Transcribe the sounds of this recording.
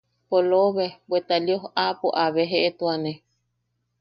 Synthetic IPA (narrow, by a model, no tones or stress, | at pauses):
poloβebwet̪aljoɦapoʔaβeɦeʔet̪uane